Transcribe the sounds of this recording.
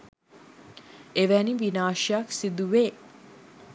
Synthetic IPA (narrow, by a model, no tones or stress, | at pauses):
eʋæniʋinaːʃijaksid̪uʋeː